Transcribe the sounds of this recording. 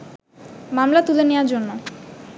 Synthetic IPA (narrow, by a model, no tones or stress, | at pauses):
mamlat̪ulenewaɾd͡ʑonːo